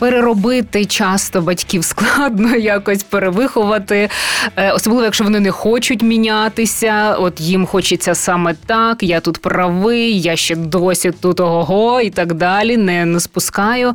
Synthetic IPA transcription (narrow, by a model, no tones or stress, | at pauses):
peɾeɾɔbɪt̪ɪt͡ʃɑst̪ɔbɐtʲkʲiwsklˠɑd̪nɔjakɔsʲpeɾeʋɪxʊʋɐt̪ɪ | ɔsɔblˠɪʋɔjɐkʃt͡ʃɔʋɔnɪnɛxɔt͡ʃʊtʲmʲinʲat̪ɪsʲɐɔt̪jimxɔt͡ʃɪt͡sʲːɐsɑmɛt̪ɑkjat̪ut̪pɾɐʋɪjjaʃt͡ʃɛd̪ɔsʲit̪ut̪ɔɦɔɦɔit̪ɑɡd̪ɑlʲinɛnɛspʊskɑjʊ